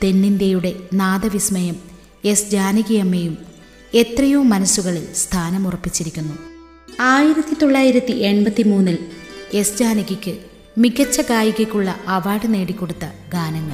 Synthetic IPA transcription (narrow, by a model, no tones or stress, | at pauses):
t̪e̞nːinde̞juɽe̞naːd̪ɐʋismɐjɐm | e̞sd͡ʑaːniɣɐjɐmːejum | e̞t̪rɐjoːmːɐnɐsːuɣɐɭilst̪ʰaːnɐmurɐpːit͡ɕːiɾikʲːunːu | aːjiɾɐt̪ːit̪o̞ɭːaːjiɾɐt̪ːiʔe̞ɳbɐt̪ːimuːnːile̞sd͡ʑaːniɣikʲːɨ | miɡɐt͡ɕːɐkaːjuɣɐkʲːuɭːɐʔɐʋaːɽɐne̞ːɽikʲːo̞ɽut̪ːɐɡaːnɐŋːɐɭ